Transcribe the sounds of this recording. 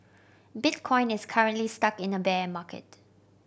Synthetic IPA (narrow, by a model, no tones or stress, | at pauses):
bɪt̚kʰɔ̃ɪ̃nɪskʰaɹə̃nʔlistakɪ̃nəbɛmakʰə̰t